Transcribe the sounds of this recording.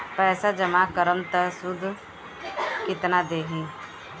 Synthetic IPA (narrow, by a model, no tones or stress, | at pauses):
pɛːsad͡ʒəmakəɾəmt̪əsʊd̪ʱ | kɪt̪nad̪eːɦĩː